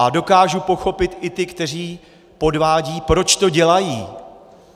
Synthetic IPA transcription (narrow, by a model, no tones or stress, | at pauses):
ʔado̞kaːʒupo̞xo̞pɪt̪ʔɪt̪ɪkt̪ɛr̝iː | po̞dvaːɟiːpɾo̞t͡ʃt̪o̞ɟɛlajiː